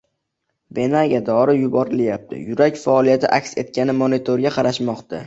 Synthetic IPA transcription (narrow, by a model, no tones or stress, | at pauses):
be̞naɡʲad̪ɒɾɪjʊbɒɾɪljap̚t̪ʰɪ̰jʊɾakʲfaɒlˠijat̪ʰɪʔakʲse̞t̪̚kʲanɪmonet̪ʰoɾɡʲaqʰɑɾaʃmɒqt̪ʰa̰